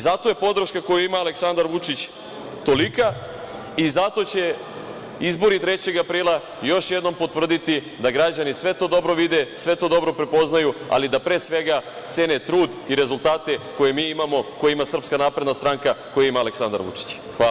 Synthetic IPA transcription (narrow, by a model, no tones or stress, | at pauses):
zat̪o̞je̞po̞d̪ɾ̩ʃkako̞juimaːleksand̪aɾʋut͡ʂit͡ɕ | t̪o̞lika | izat̪o̞t͡ɕe̞ | izbo̞ɾit̪ɾe̞t͡ɕe̞ɡapɾiːlˠa | jo̞ʃje̞d̪no̞mpo̞t̪ʋr̩d̪it̪i | d̪aɡɾad͡ʑanisʋe̞t̪o̞ːd̪o̞bɾo̞ʋid̪e̞sʋe̞t̪od̪o̞bɾo̞pɾe̞po̞znajua̰lid̪apɾeːsʋe̞ɡa | t̪seːne̞t̪ɾuːd̪iɾe̞zulˠt̪aːt̪e̞ko̞jemiːimamo̞ko̞jaimasr̩pskanaːpɾe̞d̪nast̪ɾaːŋkako̞jaimaːleksand̪a̰ɾʋṵt͡ʂi̥t͡ɕ | xa